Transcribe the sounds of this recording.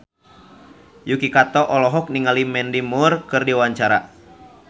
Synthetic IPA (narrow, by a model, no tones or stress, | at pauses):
jukikat̪ɔʔɔlɔɦɔk̚niŋalimɛndimurkɨrdiwaɲt͡ʃaɾa